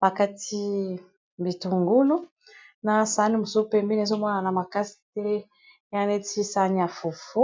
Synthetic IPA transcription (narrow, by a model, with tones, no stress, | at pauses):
ba˨ka˦ti˦ | mbi˨tu˨ŋɡu˦lu˦ | na˨˦sa˨˦ni˦mo˨so˦pɛ˦mbe˦ne˨˦zo˦mwa˦na˨na˨ma˨ka˦si̥˨tɛ˦ | jã˦ne˦ti˦sa˦ni˦a˨fu˨fu˦